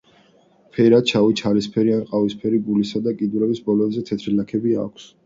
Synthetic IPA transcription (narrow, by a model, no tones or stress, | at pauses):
pʰɛɾat͡ʃʰavit͡ʃʰalispʰɛɾianqʼavispʰɛɾiɡulisad̪akʼid̪uɾɛbisbɔlɔd̪zɛt̪ʰɛt̪ʰɾilakʰɛbia̰kʷʰs